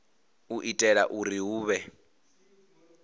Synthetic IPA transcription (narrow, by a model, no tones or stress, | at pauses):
uʔitʼɛɺaʔuɾiɦuːβɛ